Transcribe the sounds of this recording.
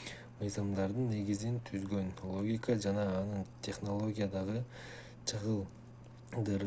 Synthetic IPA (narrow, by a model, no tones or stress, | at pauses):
məjzɑmd̪ɑɾd̪əɴne̞ɡʲɪzɪnt̪ʰʏzɡʲe̞nlˠo̞ɡʲijkɑʒɑnɑːnəɴt̪ʲʰe̞χno̞lˠo̞ɡʲijad̪ɑʁə | t͡ʃʰəʁəlˠ | d̪əɾ